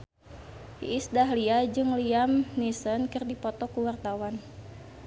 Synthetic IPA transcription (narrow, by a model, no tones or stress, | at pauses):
hiʔisdaɦliad͡ʒɨŋliamnisɔnkɨrdipɔt̪ɔkuwart̪awan